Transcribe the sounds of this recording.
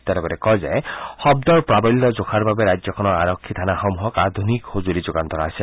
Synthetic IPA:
t̪jat̪ɛbaɾɛkɔjzɛxɔbd̪ɔɹpɹabɔlːɔzokʰaɹbabeɾajd͡ʒzɔkʰɔnɔɹaɹɔkʰːit̪ʰanaxɔmuɦɔkad̪ʱunikxozuɾizoɡand̪ʱɔɾaːsɛ

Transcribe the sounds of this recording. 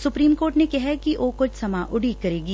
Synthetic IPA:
sʊpɾiːmkoːɾʈnekɛɦɛkiʋoːkʊt͡ʃʰsɐmaʔʊɽikɐɾeːɡiː

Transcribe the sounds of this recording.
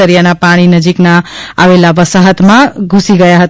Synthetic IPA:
əɾijanapaɽ̃inəd͡ʒiknaaʋelabəsaɦət̪mãɡʱusiɡəjaɦət̪

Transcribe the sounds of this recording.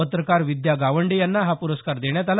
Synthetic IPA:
ət̪ɾəkaɾʋid̪jaɡaʋəɳɖejanːaɦapuɾəskaɾd̪eɳ̃jat̪al

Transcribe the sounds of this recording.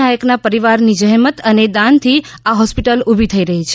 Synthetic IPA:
ajəknapəɾiʋaɾnid͡ʒəɦmət̪əned̪ãnt̪ʰiaɦɔspiʈəlubʱit̪ʰəiɾəɦit͡ʃʰe

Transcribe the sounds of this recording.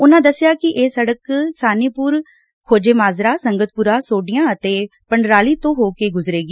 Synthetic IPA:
ʊnãːd̪əsːjaːkɪʔeːsəɽəksaːniːpʊɾ | kʰoːd͡ʒeːmaːzɾaːsəŋɡət̪̚pʊɾaːsoːɖɪjãːət̪eːpəɳɖɾaːliːt̪õːɦoːkeːɡʊzɾeːɡiː

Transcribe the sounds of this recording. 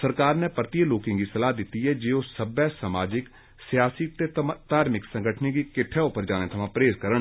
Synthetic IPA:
səɾkaːɾnɛ̃ːpəɾt̪iəloːkɪ̃ŋɡisəlaːd̪ɪt̪ːiːɛːd͡ʒeːosəbɛːsəmaːd͡ʒɪk | sɪjaːsit̪eːt̪aːɾmɪksə̃ŋɡəʈʰniɡiːkɪʈʰɛːʊpːəɾd͡ʒaːneːt̪ʰəmãːpɾeːzkəɾəɳ

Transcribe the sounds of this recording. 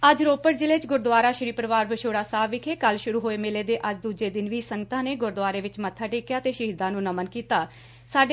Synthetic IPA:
əd͡ʒɾoːpəɾd͡ʒɪleːt͡ʃɡʊɾd̪ʊaːɾaːʃɾiːpəɾəʋaːɾbəʃoːɽaːsaːʋɪkʰeːkəlʃʊɾuːɦoːeːmɪleːd̪eːʔəd͡ʒd̪uːd͡ʒeːd̪ɪnʋiːsəŋɡət̪ãːneːɡʊɾd̪ʋaːɾeːʋɪt͡ʃmət̪ʰːaːʈeːkjaːt̪eːʃəɦid̪ãːnũːnəmənkiːt̪aː | saːɖe

